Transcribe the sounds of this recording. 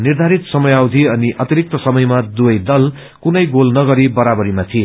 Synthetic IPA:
nird̪ʱaɾit̪sʌmʌjawd̪ʱiʌniʔʔʌt̪iɾik̚t̪ʌsʌmʌjmad̪uʌjd̪ʌl | kunʌjɡolnʌɡʌɾibʌɾabʌɾimat̪ʰie

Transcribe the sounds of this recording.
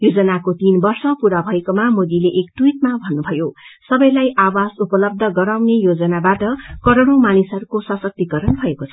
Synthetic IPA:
jod͡zʌnakot̪inbʌrsʌpuɾabʱʌekomamod̪ileʔekt̪wit̪̚mabʱʌnːubʱʌjosʌbʌjlajʔawasupʌlʌb̚d̪ʱʌɡʌɾawnejod͡zʌnabaʈʌkʌɾʌɽ̃umanisʌɾukosʌsʌk̚t̪ikʌɾʌnbʱʌekot͡sʰʌ

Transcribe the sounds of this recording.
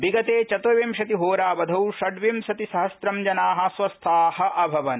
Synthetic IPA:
biɡɐt̪eːt͡ʃɐt̪oʋimʃɐt̪iɦoːɾaːʋɐd̪ʱɐwʃɐɖʋimʃɐt̪isɐɦɐsɾɐmd͡ʒɐnaːɦɐ̆sʋɐst̪ʰaːhɐ̆ʔɐbʱɐʋɐn

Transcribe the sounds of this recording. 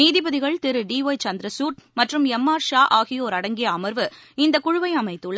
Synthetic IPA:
niːðɪbɐðɪɣɐɭt̪ɪɾɯɖiːoːjt͡ʃɐnd̪ɾɐsuːʈ̚mɐʈrɯmɛmːaːɾʂaːʔaːɣɪjoːɾɐɽɐŋɡɪjɐɐmɐɾʋɯ | ɪnd̪ɐkʊɻʊʋɐɪɐmɐɪt̪ːɯɭɐ

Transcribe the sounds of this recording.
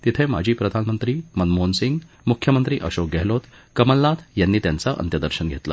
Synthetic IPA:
t̪it̪ʰẽma̰d͡ʑʱiːpɾəd̪ʱanmənt̪ɾiːmənmonsiŋɡ | mukʰjəmənt̪ɾiːʔəɕok̚ɡɛɦlot̪ | kəməlːat̪ʰjanːiːt̪jant͡saʔə̰nt̪jəd̪əɾɕənɡʱet̪la̰

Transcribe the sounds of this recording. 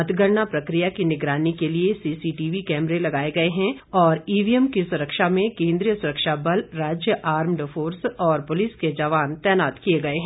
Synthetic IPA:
ɐt̪ɡəɾɳapɾɐkɾijakinɪɡɾaːnikeliesiːsiʈiːʋikɛːmɾelɐɡaːeɡɐeɦɛ̃ɔːɾiːʋiɛmkisʊɾəkʃamẽkẽːnd̪ɾijəsʊɾəkʃabɐlɾaːd͡ʒjəʔaːɾmɖfoːɾsɔːɾpʊliːsked͡ʒɐʋaːnt̪ɛːnaːt̪kijeɡɐeɦɛ̃

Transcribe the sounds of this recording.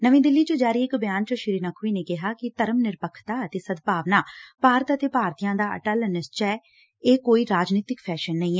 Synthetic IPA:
nəʋĩːd̪ɪlːiːt͡ʃəd͡ʒaːɾiːɪkbjaːnt͡ʃəʃɪɾiːnəkʰʋiːneːkɪɦaːkɪt̪əɾəmnɪɾpəkʰt̪aːət̪eːsəd̪paːʋnaːpaːɾət̪ət̪eːpaːɾt̪ijãːd̪aːə̰ʈəlnɪst͡ʃɛː | eːkoːiːɾaːd͡ʒniːt̪ɪkpʰɛːʃənːəĩːɛː

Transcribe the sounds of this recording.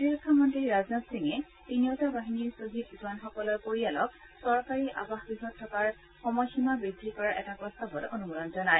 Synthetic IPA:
diɹkʰːamɔntɹiɹaznɔtsiŋɛ | tinijɔtabaɦiniɹsoɦitzwanxɔkɔlɔjpoɹialɔk | sɔɹkaɹiʔabaxbiɦɔtʰːɔkaɹ | xɔmɔjximabɹidʱikɔɹaɹʔɛtapɹɔst̪abɔtonumulɔnzɔnaj

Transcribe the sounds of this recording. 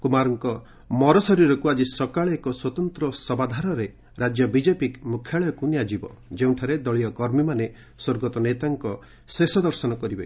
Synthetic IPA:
kumaɾɔŋkɔ | mɔɾɔsɔɾiɾɔkuad͡ʒisɔkaɭekɔswɔt̪ɔnt̪ɾɔsɔbad̪ʱaɾɔɾe | ɾad͡ʒjɔbid͡ʒepikmukʰjaɭɔjɔkunijad͡ʒibɔ̰d͡ʒeũʈʰaɾed̪ɔɭijɔkɔɾmimane | soɾɡɔt̪ɔnet̪aŋkɔ | sesɔd̪ɔɾsɔnɔkɔɾibe

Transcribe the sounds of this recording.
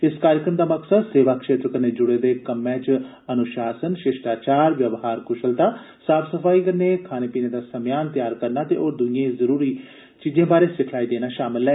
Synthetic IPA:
ɪskaːɾjəkɾəmd̪aːməksəd̪seːʋaːkʃeːt̪ɾkəɾneːd͡ʒʊɽeːd̪eːkəmːẽːt͡ʃ | ənʊʃaːsənʃɪʃʈaːt͡ʃaːɾʋjəʋɦaːɾkʊʃəlt̪aː | saːpʰsəpʰaːiːkəɾneːkʰaːneːpiːneːd̪aːsəmjaːnt̪jaːɾkəɾnaːt̪eːʔoːɾd̪ʊijẽːzəɾuːɾiː | t͡ʃiːd͡ʒẽːbaːɾeːsɪkʰlaːiːd̪eːnaːʃaːmɪlɦɛː

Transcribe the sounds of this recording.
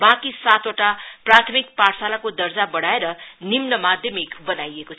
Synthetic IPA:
bakisat̪oʈaprat̪ʰʌmik̚paʈsalakod̪ʌrd͡zabʌɽaeɾʌnimnʌmad̪ʱjʌmikbʌnajekot͡sʰ

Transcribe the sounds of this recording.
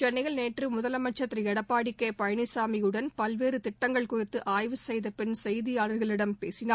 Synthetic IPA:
t͡ʃɛnːɪɣɐɭneːʈrɯmʊðɐlɐmɐt͡ʃːɐt̪ːriɛɽɐpːaːɽɪkːeːpɐjɐnɪsaːmijɯɽɐnpɐlʋeːɾɯt̪ɪʈːɐŋɡɐɭkʊrɪt̪ːɯʔaːjʋɯsɛjðɐpɪnsɛjðɪjaːɭɐɾɣɐɭɪɽɐmpeːsɪnaː

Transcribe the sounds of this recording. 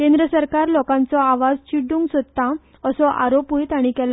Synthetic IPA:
kẽnd̪ɾəsəɾkaɾlɔkãnt͡sɔaʋad͡zt͡ɕiɽuːŋɡsod̪t̪ːa | əsɔʔa̰ɾopɦujt̪aɽ̃ikɛl

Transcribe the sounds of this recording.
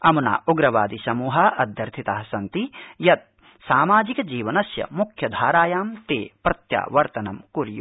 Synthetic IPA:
ɐmuna̰ːuɡɾɐʋa̰ːd̪isɐmuːɦɐʔɐd̪ʱjɐɾt̪ʰit̪aːɦɐsɐnt̪ijɐt̪̚ | saːmaːd͡ʒikɐd͡ʒiːʋɐnɐsjɐ̰mukʰjɐd̪ʱaːɾaːjaːmt̪eːpɾɐt̪ja̰ːʋɐɾt̪ɐnɐmkuɾjṵ

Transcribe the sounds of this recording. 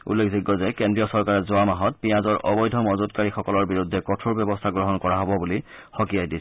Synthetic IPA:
ṵlːekʰziɡːɔzɛkendɹijɔsɔɹkaɹɛzoamaɦɔt̚pijazɔɹʔɔ̰bɔjdʱɔmɔzʊtkaɹixɔkɔlɔɹbiɹudʱːɛkɔtʰuɹbjɔbɔstʰaɡɹɔɦɔnkɔɹaɦɔbɔbulixɔkiajdisɛ

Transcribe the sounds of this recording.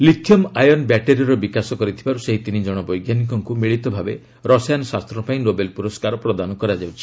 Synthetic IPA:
likʰːjɔmajɔnbɛʈeɾiɔɾɔbikasɔkɔɾit̪ʰibaɾuseɦit̪inid͡ʒɔɽ̃ɔbɔjɡjanik̬ɔŋkumiɭit̪ɔbʱabe | ɾɔsajanɔsast̪ɾɔpaĩnobelpuɾɔskaɾɔpɾɔd̪anɔkɔɾad͡ʒawt͡ʃʰi̥

